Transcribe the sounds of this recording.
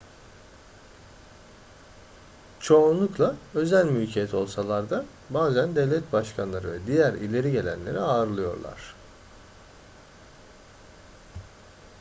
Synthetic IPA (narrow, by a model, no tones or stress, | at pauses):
t͡ʃʰo̞unlˠuklˠaø̞zælʲmylʲcʰeɛt̪ʰo̞lˠsalˠaɾd̪a | baːzænd̪ɛvlʲɛt̪̚baʃkʰanlˠaɾɯvɛd̪ijæɾilʲe̞ɾiɟe̞lʲæ̰nlʲe̞̰ɾiaːɾɯlˠɯjo̞̰ɾlˠa̰ɾ̝̥